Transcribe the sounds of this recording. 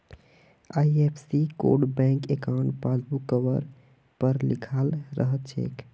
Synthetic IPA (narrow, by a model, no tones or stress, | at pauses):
ajepʰsiko̰ɖbɛ̃ŋkekawɳʈpasbukːəʋəɾ | pəɾlḭkʰalɾə̰ɦət̪̚t͡ʃʰḛk